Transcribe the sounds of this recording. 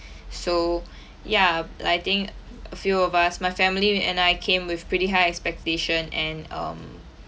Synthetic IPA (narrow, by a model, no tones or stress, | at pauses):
so | jaaɪt̪ɪ̃ŋk | əfjuɔvasmajfɛ̃mliɛ̰̃najkʰẽmwɪfpɹitiɦaɪɛkspɛk̚teʃə̃nɛ̃nʌ̰̃m